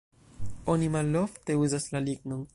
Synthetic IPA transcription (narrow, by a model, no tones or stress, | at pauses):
o̞nimalo̞fte̞uzaslaliɡno̞n